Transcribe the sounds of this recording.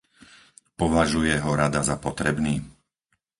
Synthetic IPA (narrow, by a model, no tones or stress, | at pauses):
pɔʋaʒujɛɦɔɾad̪azapɔt̪ɾɛbniː